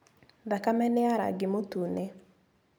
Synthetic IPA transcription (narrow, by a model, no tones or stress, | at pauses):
ðakamɛnɪaɾa̰ɡɪmotune